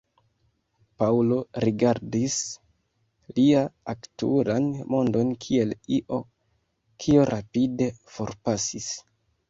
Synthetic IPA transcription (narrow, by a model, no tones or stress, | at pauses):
paulo̞ɾiɡaɾdis | liaaktṵɾanmo̞ndo̞nkʰie̞liʔo̞ | kʰio̞ɾʔapide̞fo̞ɾpasis